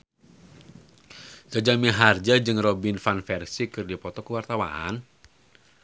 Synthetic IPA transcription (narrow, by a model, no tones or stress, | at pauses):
sad͡ʒamiɦard͡ʒad͡ʒɨŋrobinfanfɛrsikɨrdipɔt̪ɔkəwart̪awa̰a̰n